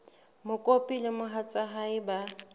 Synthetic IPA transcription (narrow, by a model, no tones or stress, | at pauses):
mʊkʼopʼilɪmʊɦat͡sʼaɦaɪba